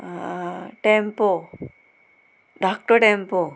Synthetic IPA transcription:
ʈempo | ɖaːk̚ʈoʈempo

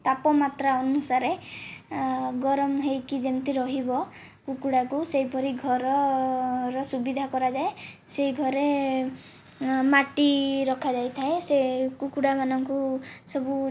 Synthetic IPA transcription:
t̪apɔmat̪ɾaɔnusaɾe | ɡɔɾɔmɦejkid͡ʒent̪iɾɔɦibɔ | kukuɽakuseɦjpɔɾiɡʱɔɾɔ | ɾɔsubid̪ʱakɔɾad͡ʒaeseiɡʱɔɾe | maʈiɾɔkʰad͡ʒajt̪ʰaesekukuɽamanɔŋkusɔbu

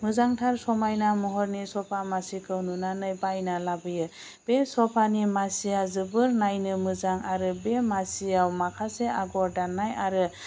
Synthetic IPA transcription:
mɯzaŋtʰaɾsɔmajnamɔɦɔɾnisɔpʰamasikʰɯwnunanɯjbajnalabɯjɯ | b̥esɔpʰanimasiazɯbɯɾnajnɯmɯzaŋaɾɯbemasijawmakʰaseaɡɔɾdanːajaɾɯ

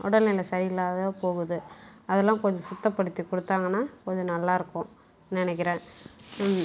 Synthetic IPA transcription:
ɔɽɐlɪlɐsɐɾɪlːaːðɐpoːɣɯðɯɐðɛlːãːkɔɲd͡ʒɔ̃sʊt̪ːɐpːɐɽɯt̪ːikɔɽɯt̪ːaːŋɡɐnːaːkɔɲd͡ʒɔ̃nɐlːaːɪɾɯkːʊ̃ | nɪnɛk̬ːɪɾẽː

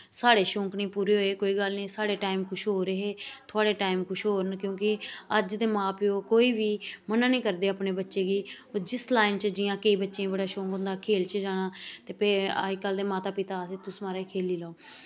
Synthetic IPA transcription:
saːɽeːʃʊ̃ːŋknĩːpuːɾeːɦoːeːkoːiːɡəlnĩːsaːɽeːʈaːimkʰʊʃʰɦoːɾeɦeːt̪ʰʊaːɽeːʈaːɪmkʰʊʃʰɦoːɾənkjõːkɪəd͡ʒd̪eːmãːpɪoːkoːiːʋiːmənãːnĩːkəɾd̪eːaːpneːbətːʃeːɡiːoːd͡ʒɪslaːɪnt͡ʃd͡ʒɪjãːkəiːbətːʃãːbəɽaːʃʊ̃ːŋkɦʊ̃nd̪aːkʰeːlt͡ʃd͡ʒaːnãːt̪eːpḛɪkːəld̪eːmaːt̪aːpɪt̪aːseːt̪ʊsmaːɾaːikʰeːliːlaoː

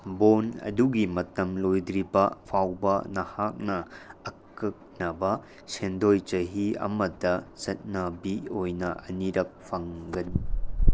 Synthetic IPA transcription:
bonɐ̰duɡimɐtɐmlojdɾibɐpʰawbɐnɐhak̚nɐːk̚ːɐk̚nɐbɐ | sendojt͡ʃɐɦiɐ̰mɐdɐzɐt̚nɐbiojnɐʔɐniɾɐp̚pʰːɐŋɡɐni

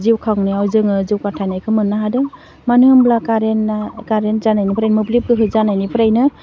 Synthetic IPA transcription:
ziwkʰawnaawzɯŋɯziwkatʰanajkʰɯmɯnːaɦadɯŋ | manɯhɯmblakaɾenakaɾenzanajnipʰɾajnmɯblip̚kɯɦɯjzanajnipʰɯɾajnɯ

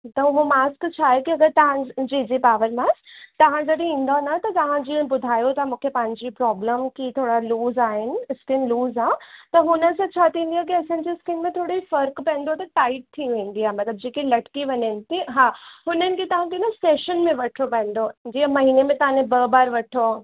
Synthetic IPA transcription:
t̪ɐɦomaːskt͡ɕʰaːɦekiɐɡəɾt̪ɐʋ̤ãd͡ʑed͡ʑepaːʋəɾmaːst̪ɐʋ̤ãd͡ʑɐɽĩːn̆d̪anat̪ɐt̪ɐʋ̤ãd͡ʑĩbʊd̪ʱaːjot̪ɐ̃mũːkʰepɐ̃ɦɪ̃ɲd͡ʑipɾɔːbləmkit̪ʰoːɽaluːzaːɦɪnɪ̆ɪskɪnluːzaːt̪ɐɦʊnəsãt͡ɕʰat̪ĩːn̆d̪ijak̬iɐsãːɲd͡ʑeskɪnmẽt̪ʰoːɽiifɐɾkpɛ̃ːnd̪ot̪ɐʈaːɪʈ̚t̪ʰːiũʋẽːnd̪iaːmɐt̪ləb̚d͡ʑeːkelɐʈkiʋɐɲənɪ̆t̪iɦaːɦʊnənɪ̆kʰet̪ɐʋ̤ãkʰenaseːʃənmẽʋɐʈʰopɛ̃ːn̆d̪od͡ʑiːmɐɦiːnemẽt̪ɐʋ̤ãnẽbɐbaːɾʋɐʈʰo

